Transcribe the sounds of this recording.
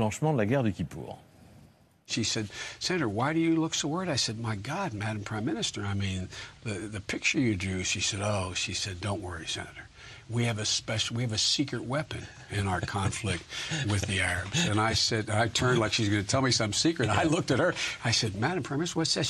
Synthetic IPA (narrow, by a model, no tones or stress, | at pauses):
lɑ̃ʃmɑ̃d̪əlaɡɛʁd̪əkʲipʰṵʁ | ʃisɛd̚sɛnɨɾə˞waɪɾɨjɨlʊksəwɜ˞ɾaɪsɛd̚maɪɡɑd̚mæɾm̩pʰɹ̥ãɪ̃mɪnɨstə˞aɪmĩnðɨðɨpʰɪk̚t͡ʃə˞jɨdʉʃisɛɾoʊʃisɛdõʊ̃nʔwɜ˞isɛ̰nɨɾə˞ | wiɨvɨspɛʃˠwiɨvɨsikɹɨt̚wɛpɨ̃n | ɪ̃naʊə˞kʰɑ̃ɱflɪk̚t̚wɪððiæɹɨbz̥ɨ̃naɪsɛɾɨ̃naɪtʰɜ̃˞ndˡlaɪkʃizɡʌnɨtʰɛlˠmisʌ̃msikɹɨɾaɪlʊk̚tɨt̚hə˞aɪsɛd̚mæɾɨ̃mpʰɹ̥aɪ̃mɪnstə˞wʌtsɛz